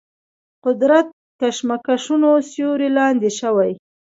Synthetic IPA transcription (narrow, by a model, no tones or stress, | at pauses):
qʊd̪ɾat̪̚ | kaʃmakaʃunosjoɾilɑnd̪eʃawaj